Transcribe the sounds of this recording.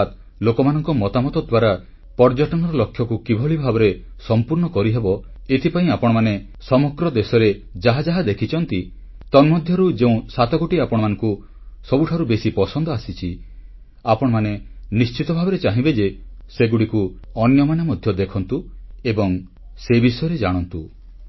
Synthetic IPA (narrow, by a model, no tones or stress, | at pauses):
t̪ | lokɔmanɔŋkɔmɔt̪amɔt̪ɔd̪waɾa | pɔɾd͡ʒaʈɔnɔɾɔlɔkʰːjɔkukibʱɔɭibʱabɔɾe | sɔmpuɾnɔkɔɾiɦebɔ | et̪ʰipaĩapɔɽ̃ɔmane | sɔmɔkɾɔd̪esɔɾed͡ʒaɦad͡ʒaɦad̪ekʰit͡ʃʰɔnt̪i | t̪ɔnmɔd̪ʱjɔɾud͡ʒeũsat̪ɔɡoʈiapɔɽ̃ɔmanɔ̃ŋku | sɔbuʈʰaɾubesipɔsɔnd̪ɔasit͡ʃʰi | apɔɽ̃ɔmanenist͡ʃit̪ɔbʱabɔɾet͡ʃaɦĩbed͡ʒeseɡuɽikuɔnjɔmanamɔd̪ʱjɔd̪ekʰɔnt̪uebɔŋ | sebisɔjɔɾed͡ʒaɽ̃ɔnt̪u